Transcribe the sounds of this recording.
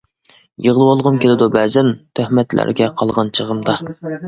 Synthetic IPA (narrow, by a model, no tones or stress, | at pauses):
jəʁlˠɨwolˠʁəmkʲelɪd̪ubɛzɪnt̪ʰøhmɛt̪læ̰ɾɡʲɛqʰɑlˠʁɑnt͡ʃʰəʁəmd̪ɑ